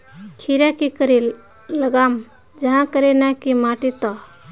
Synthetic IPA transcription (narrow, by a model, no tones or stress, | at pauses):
kʰiɾakikəɾilː | əɡam | d͡ʒəɦãkəɾenakimaʈit̪ɔ